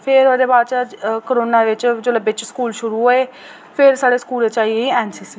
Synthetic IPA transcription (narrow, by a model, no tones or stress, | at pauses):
pʰɪɾoːd̪eːbaːd̪t͡ʃakəɾoːnaːʋɪt͡ʃd͡ʒoləbɪt͡ʃskuːlʃʊɾuːɦoːeː | pʰɪɾsaːɽeːskuːleːt͡ʃaːieiɛːnsisi